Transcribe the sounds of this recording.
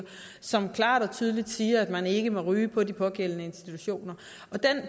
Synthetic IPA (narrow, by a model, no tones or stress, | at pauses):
sɒ̽mkʰlɑ̰̈ːɾ̥ɒ̽t͡sʰyːð̞ˠəlid̥siːɐæd̥mæne̝ɡ̥əmɒ̽ʁyːpʰɒ̽dipʰɒ̽ɡ̥el̰ənəe̝nsd̥it͡sʰuɕo̝̰ːnɐ | ɒ̽d̥en